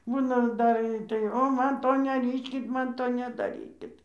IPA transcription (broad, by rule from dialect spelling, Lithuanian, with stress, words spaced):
ˈbuːnɐ ˈdɐr tɐɪ ˈoː ˈmɐn ˈtoː nʲɛˈrʲiːʃʲkʲɪt ˈmɐn ˈtoː nʲɛdɐˈrʲiːkʲɪt